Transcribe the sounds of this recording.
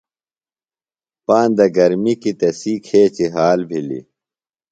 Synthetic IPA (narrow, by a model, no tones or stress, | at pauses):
paːnd̪ɐɡɐɾmikit̪ɐsikʰeːt͡ɕiɦaːlbʱilḭ